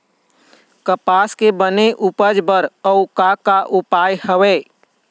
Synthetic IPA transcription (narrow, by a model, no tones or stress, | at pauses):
kəpaːskebəneʔʊpəd͡ʒbəɾəʊkakaʔʊpaːjhəʋeː